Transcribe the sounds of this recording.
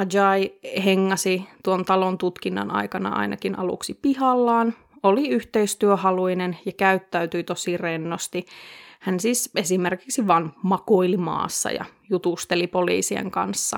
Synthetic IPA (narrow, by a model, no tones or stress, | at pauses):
ɑd͡ʒɑiheŋːɑsit̪uont̪ɑlont̪ut̪kinːɑ̰nɑ̰ikɑnɑ̰ʔɑ̰inɑ̰kinɑlṵksipihɑlːɑːn | oliyht̪eist̪yøhɑluinenjɑkæyt̪ːæyt̪yit̪osirenːost̪ihænsiːsesimerkiksiʋɑnmɑkoilimɑ̰ːsːɑ̰jɑ̰jut̪ust̪elipolḭːsiḛŋkɑ̰nsːɑ